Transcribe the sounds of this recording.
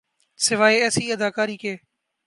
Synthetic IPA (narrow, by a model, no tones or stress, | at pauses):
sɪʋaːeːɛːsiːəd̪aːkaːɾiːkeː